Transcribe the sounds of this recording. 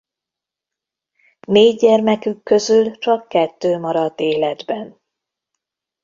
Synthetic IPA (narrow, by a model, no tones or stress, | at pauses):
meːɟɛrmɛkykːø̞zylt͡ʃɒkːɛt̪ːøːmɒɾɒd̪eːlɛd̪bɛn